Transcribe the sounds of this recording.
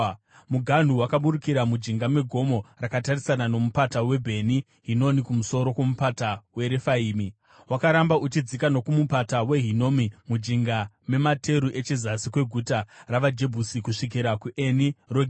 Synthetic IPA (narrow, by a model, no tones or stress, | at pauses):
muɡʱan̤uwakaɓuɾukiɾamud͡ʒiŋɡamwe̞ɡʱo̞mo̞rakatarisanano̞mupatawe̞bʱe̞ni | ɦino̞nikumuso̞ɾo̞kwo̞mupatawe̞ɾefaiːmi | wakaɾambaut͡ʃid͡zikano̞kumupatawe̞ɦino̞mimud͡ʒiŋɡa | me̞matʰe̞ɾuʔe̞t͡ʃezasikwe̞ɡʱutaraʋad͡ʒe̞bʱusikuʂik̬iɾakuʔe̞niroɡʱ